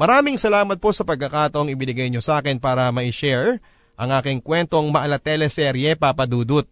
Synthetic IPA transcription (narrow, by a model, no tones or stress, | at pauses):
mɐɾaːmɪŋsɐlaːmɐt̪̚po̞sɐpɐɡ̚kːɐkaːt̪ɐʔoŋɪbɪnɪɡɐjɲosaːkɛnpaːɾɐmɐɪʃɛɹ | ʔɐŋʔaːkɪŋkwɛnt̪o̞ŋmɐʔɐlɐt̪ɛlɛsɛɾjɛpapɐd̪uːd̪ʊt̪̚